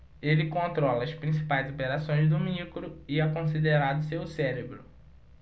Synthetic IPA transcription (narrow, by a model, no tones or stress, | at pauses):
elɪkõnt̪ɾɔlɐːspɾĩsi̥pajzopeɾasõj̃zd̪ʊmikɾʊɪɛkõsid̪eɾad̪ʊsewsɛɾebɾʊ